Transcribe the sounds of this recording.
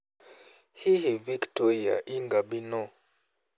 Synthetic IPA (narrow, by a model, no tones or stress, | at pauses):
hihiviktɔɾia̰ʔiŋɡabinɔ